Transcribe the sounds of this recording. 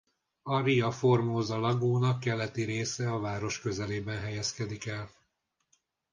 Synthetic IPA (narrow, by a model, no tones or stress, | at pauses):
ɒriɒfo̞rmoːzɒlɒɡoːnɒkːɛlːɛt̪iɾeːsɛɒvaːɾo̞ʃkø̞zɛleːbɛnɦɛjɛskɛd̪ikɛl